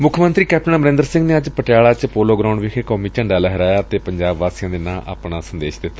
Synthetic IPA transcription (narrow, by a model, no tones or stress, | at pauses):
mʊkʰəmə̃nt̪ɾiːkɛːp̚ʈənaməɾɪ̃nd̪əɾsɪ̃ŋɡneːəd͡ʒpəʈjaːlaːt͡ʃpoːloːɡɾaːʊ̃ɳɖʋɪkʰekɔːmiːt͡ʃəɳɖaːlɛɦəɾaːjaːt̪eːpəɲd͡ʒaːbʋaːsijãːd̪eːnãːʔa̰ːpɳaːsənd̪eːʃd̪ɪt̪ːaː